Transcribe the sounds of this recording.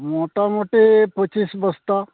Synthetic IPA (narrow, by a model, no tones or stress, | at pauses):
moʈamoʈepət͡ʃisbəst̪a